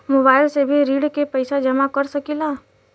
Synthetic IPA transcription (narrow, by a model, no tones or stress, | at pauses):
moːbaːɪlsebʱiɾiːɖkepəɪsad͡ʒɐmakəɾsəkilaː